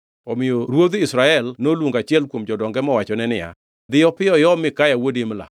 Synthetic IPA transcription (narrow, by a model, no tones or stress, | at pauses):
ɔmɪjoɾwod̪isɾaɛlnolwoŋɡat͡ʃɪɛlkwomd͡ʒɔdɔŋɡɛmɔwat͡ʃɔnɛnɪja̰ | d̪ɪjɔpɪjɔjɔmɪkajawodimla̰